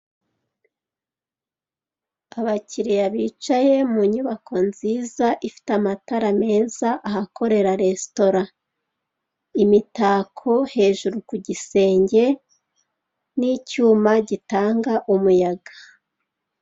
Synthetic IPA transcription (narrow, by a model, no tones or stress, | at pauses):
aβaciɾijaβiːt͡ʃaje̞muɲuβako̞nziːzaʔifi̥tamataɾame̞ːzaʔahako̞ɾe̞ɾaɾe̞sto̞ɾa | imitaːkʰo̞he̞ːʒuɾukuɟise̞ːɲɟe̞ | nicuːmaɟitaːŋɡaʔumujaɡḁ